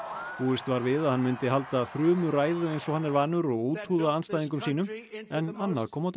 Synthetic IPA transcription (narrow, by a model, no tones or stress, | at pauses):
puːɪst̪vaɾvɪðaðhanmɪnt̪ɪɦalt̪aθɾʏːmʏɾaːjðʏejnsɔhanːɛɾvaːnʏɾɔɣoːwt̪ʰhuːðaanst̪ajðiŋk̬ʏmsiːnʏmɛnanːaðkʰɔːmawt̪